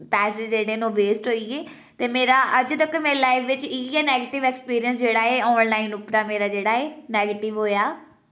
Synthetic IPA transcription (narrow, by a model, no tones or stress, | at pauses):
pɛːsɪd͡ʒd͡ʒeːɽeːnõːʋeːsʈɦoːiːeː | t̪eːmeːɾaːʔəd͡ʒt̪əkːmeːelaːɪfʋɪt͡ʃiːɛːnɛːɡeːʈɪʋɛkspiːɾijəns̬d͡ʒeːɽaːeːɔːnlaːɪnʊpɾaːmeːɾaːd͡ʒeːɽaːeːnɛːɡeːʈɪʋɦoːjaː